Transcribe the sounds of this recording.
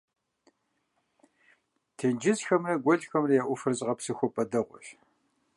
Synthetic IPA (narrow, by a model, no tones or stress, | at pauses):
tʰend͡ʒɪsxɐmrɐɡʷɔɮxɐmrɐjaːʔʷʊfɨrt͡sʼʁɐpsɨxʷɔpʼɐdɐʁʷʊ̰ɬ